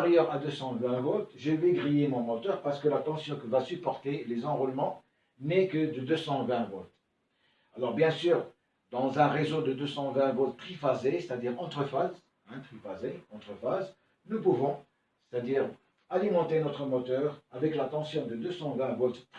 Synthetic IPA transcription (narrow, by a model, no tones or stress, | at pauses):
ʁjœʁad̪øsɑ̃vɛ̃vɔt̪ʒəveɡʁijemɔ̃mɔt̪œʁpaʁsə̥kəlat̪ɑ̃sjɔ̃kəvasypɔʁt̪elezɑ̃ʁulmɑ̃ | nɛkəd̪əd̪øsɑ̃vɛ̃vɔt̪ | alɔʁbjɛ̃syːʁ | d̪ɑ̃zɛ̃ʁezod̪əd̪øsɑ̃vɛ̃vɔt̪ːχifazese̥t̪ad̪iʁɑ̃t̪χəfaz | ɛ̃t̪χifazeɑ̃t̪χəfaz | nupuvɔ̃ | se̥t̪ad̪iːʁ | alimɑ̃t̪enɔt̪χəmɔt̪œʁavɛklat̪ɑ̃sjɔ̃d̪əd̪øsɑ̃vɛ̃vɔt̪ː